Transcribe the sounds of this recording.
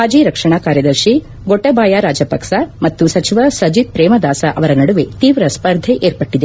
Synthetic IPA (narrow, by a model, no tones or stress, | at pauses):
ɦaːd͡ʒiːɾɐkʂɐɳ̃aːkaːɾjɐd̪ɐɾʃi | ɡɔʈːɐbaːjaɾaːd͡ʒɐpɐkʃamɐt̪ːusɐt͡ʃʰiʋasɐd͡ʒid̪̚pɾeːmɐd̪aːsaʔɐʋɐɾɐnɐɽuʋet̪iːʋɾɐspɐɾd̪ʱeʔeːɾpɐʈːid̪e